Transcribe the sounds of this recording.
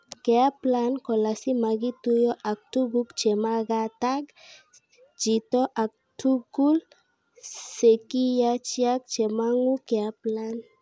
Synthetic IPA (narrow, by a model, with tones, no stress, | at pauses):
kɛ˨a˦plankɔ˨lasi˦ma˨ɡi˦t̪u˦jɔ˦ʔa˨k̚tu˦ɡukt͡ʃɛ˨maɡatak | d͡ʒitɔ˦ʔa˨k̚tuɡul | seki˦jat͡ʃi˦ak̚t͡ʃɛ˨maŋu˦kɛ˨aplan